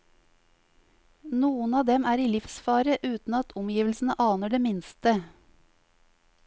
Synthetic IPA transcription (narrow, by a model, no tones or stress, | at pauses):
nuːən̩ɑːd̪ɛmæːɾiːlɪfsfɑːɾəʔʉːt̪n̩ɑt̪ʰʊmjiːʋl̩sn̩əʔɑːnəɖeːmɪnst̪ə